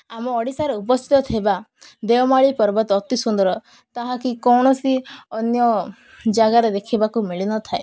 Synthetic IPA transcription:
amɔːɽisaɾeup̬ɔst̪ʰi̥t̪ɔt̪ʰebad̪ewɔmaɭipɔɾbɔt̪ɔt̪isund̪ɔɾɔ | t̪aɦãkikɔwɳ̃ɔsiɔnjɔ | d͡ʒaɡaɾed̪ekʰibakumiɭinɔt̪ʰae

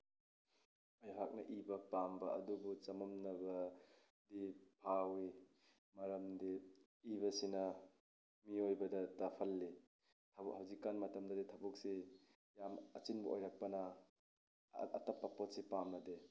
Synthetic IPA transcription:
ajɦʰak̚nɐ̰ʔibɐpambɐɐ̰dubut͡ʃɐmɐmnɐbɐ | dipʰawi | mɐɾɐmdi | ibɐsinɐ | miojbɐdɐtapʰɐlːi | tʰɐbhawzikːanmɐtɐmdɐditʰɐbuk̚si | jamɐ̰t͡ʃinbɐʔo̰jɾak̚pɐnɐ | ɐ̰tɐpːɐpot̚sipamnɐde

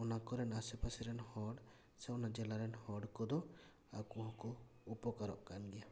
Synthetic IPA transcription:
ɔnakɔɾɛnasɛpasɛɾɛnhɔɖ | sɛɔnad͡ʒɛlaɾɛnhɔɖkɔd̪ɔ | a̰kuɦɔ̃kɔ | upɔkaɾɔ̰ʔkanɡɛja

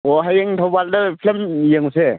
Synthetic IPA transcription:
oɦajeŋtʰawbaldɯpʰlemjeŋuse

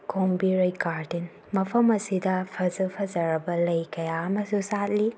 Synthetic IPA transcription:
kombiɾojkaɾdin | mɐpʰɐmɐsidɐpʰɐzɐpʰɐzɐɾɐbɐlɐjkɐjaɐmɐsusat̚li

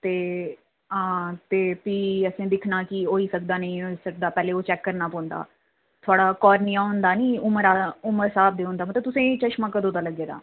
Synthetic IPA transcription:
t̪eː | ɦãːt̪eːpiːəsẽːd̪ɪkʰnaːkɪoːiːsək̚d̪aːnə̃ĩːsək̚d̪aːpɛːleːoːt͡ʃɛːkːəɾnaːpɔ̃ːnd̪a̰ː | t̪ʰʊaːɽaːkɔːɾnijãːʊ̃nd̪aːnĩːʊməɾaːʊməɾsaːb̚d̪eːʊ̃ːnd̪aːmət̪ət̪ʊsẽːit͡ʃəʃmãːkəd̪oːd̪aːləɡːeːd̪a̰ː

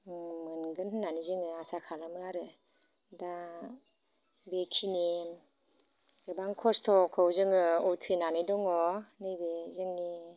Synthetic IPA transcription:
mɯnɡɯnhɯnːanizɯŋɯasakʰalɯmɯaɾɯ | da | bekʰini | ɡɯbaŋkʰɔstʰɔkʰɔwzɯŋɯɔtʰinanidɔŋɔnibezɯŋni

